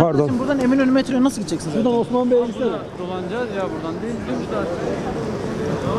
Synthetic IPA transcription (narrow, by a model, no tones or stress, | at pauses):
paɾd̪oʃimbuɾd̪aneminønymet̪ʰyɾøjnasɯlˠɟit̪ʰːd͡ʒɛcsinzbuɾd̪anosmanbejmsed̪olˠand͡ʒazjabuɾd̪and̪ejilʲd̪imʃd̪a